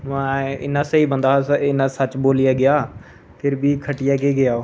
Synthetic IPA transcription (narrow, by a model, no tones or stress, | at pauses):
mãːɪ̰nãːsəiːbənd̪aːɪnãːsət͡ʃboːlɪjaːɡɪjaː | pʰɪɾbʱiːkʰəʈɪjaːkeːɡɪjaːoː